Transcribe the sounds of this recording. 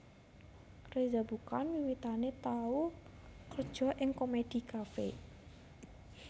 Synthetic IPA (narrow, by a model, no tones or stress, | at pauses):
rezabukanwiwit̪anet̪au | kərd̥ʒ̥ɔ̤ʔɪŋkomed̪̥i̤kafḛ